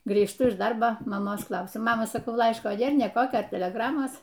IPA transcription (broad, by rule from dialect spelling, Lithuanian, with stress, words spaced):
ɡrʲiːʃˈtʊ ɪʃ ˈdɐrboː mɐˈmoːs ˈklˠɐʊsʲʊ ˈmɑːmɐ sɐˈkɐʊ ˈlˠɐɪʃkoː ˈnʲeːr ˈnʲeː ˈkoːkʲoː tʲɛlʲɛˈɡrɑːmoːs